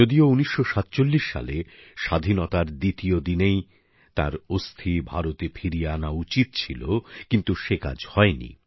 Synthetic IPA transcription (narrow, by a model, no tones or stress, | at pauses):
od̪iouniʃːoʃat̪t͡ɕolːiʃːa̰leʃad̪ʱinot̪aɾd̪it̪iod̪inej | t̪a̰ɾost̪ʰibʱaɾot̪epʰiɾijanaut͡ɕit̪̚t͡ɕʰilokint̪uʃeka̰d͡ʑhɔenḭ